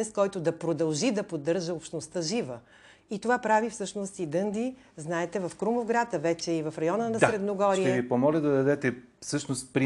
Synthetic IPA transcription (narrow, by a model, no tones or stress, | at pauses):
ɛst̪kɔjt̪od̪ɐpɾod̪ɐlˠʒid̪ɐpod̪ːɤɾʒəopʃt̪nost̪əʒivə | it̪ovapɾavifsɤʃnost̪id̪ɤnd̪i | znaɛt̪ɛvɐfkɾumovɡɾat̪əvɛt͡ʃɛivɐfɾɐjɔnənɐsɾɛd̪noɡɔɾij̪ɛvipomɔlʲəd̪ɐd̪ɐd̪ɛt̪ɛfsɤʃnost̪pɾi